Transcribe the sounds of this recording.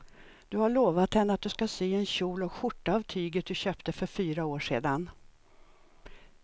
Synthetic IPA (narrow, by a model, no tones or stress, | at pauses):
d̪̥ɵhaɭoːvat̪hɛnːəat̪̚d̪ɵskasyːɛnɕuːlɔkɧʊʈːaːvt̪ʰyːɡət̪̚d̪ɵɕøːpt̪əfœɾfyːɾaoːʂḛːd̪an